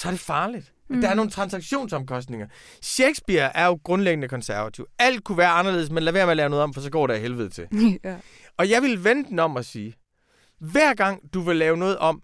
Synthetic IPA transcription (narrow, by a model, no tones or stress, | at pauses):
sɒɐd̥e̝fɑ̈ːlid̥d̥ɑ̈æɐno̝ːn̩t͡sʰʁɑ̈nsɑ̈ɡ̥ɕo̝̰ːnsɒ̽mkʰɒ̽sd̥ne̝ŋɐ | ɕeɡ̥sb̥iɐʔæɐjo̝ɡ̥ʁɔ̽nleɡ̥ənəkʰɒ̽nsæɐʋæt͡sʰiʊæl̰d̥̚kʰuʋæːɐɑ̈nɐle̝ð̰ˠsmenlæʋeɐmelɛːʊnɔ̽ð̩ˠɒ̽mfɒsɒ̽ɡ̥ɒ̰ːɾeɦelʋəð̞̩ˠt͡sʰe̝l | ɒ̽jɑ̈ɪʋilʋend̥en̩ɒ̽m̰ɒ̽siː | ʋæɐ̰ɡ̥ɑ̈ŋ̰d̥uʋe̝lɛːʊnɔ̽ːð̩ˠʔɒ̽m̰